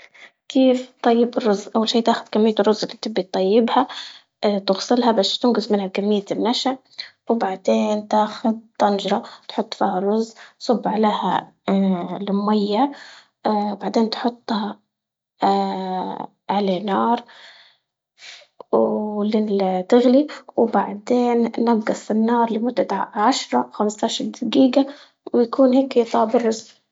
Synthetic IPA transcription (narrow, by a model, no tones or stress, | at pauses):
kʰeːft̪ˤːɑjːɪbɪrˤːʊzːʔawːalʃiːt̪aːxʊd̪kamːɪjːat̪rːʊzʔɪlːit̪ɪbːit̪ˤːɑjːɪbha | t̪ʊɣsˤɪlhabast̪ɪnɡɪsmɪnhakamːɪjːaɪnːaʃaʕ | wbaʕd̪eːnt̪aːxʊd̪̚t̪ːɑnʒɾˤɑt̪ħʊt̪ˤːfiːharˤːʊzsˤʊbːʕaleːha̰ | lɪmʊmajːa | baʕd̪eːnt̪ħʊt̪ˤːhɑ | ʕaleːnɑːɾˤ | wlɪt̪ɪɣliwbaʕd̪eːnnabɡɑsˤɪnːɑːɾˤlɪmʊd̪ːaʕaʃɾˤɑxamst̪aʃɑɾˤd̪ɪɡiːɡa | wjakʰuːnheːkjt̪ˤɑːbɪrˤːʊz